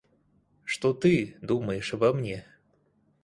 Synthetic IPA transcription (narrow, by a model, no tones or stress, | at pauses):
ʂt̪ot̪ɨd̪uməjɪʂvɐmnʲe